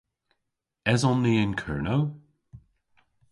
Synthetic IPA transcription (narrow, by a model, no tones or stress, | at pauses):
ɛzɔnːiːɪnkʰɜ̰ɹnow